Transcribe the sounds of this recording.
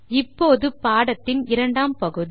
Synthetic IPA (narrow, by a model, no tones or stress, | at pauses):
ɪpːoːðɯpaːɽɐt̪ːɪnɪɾɐɳɖaːmpɐɣɯði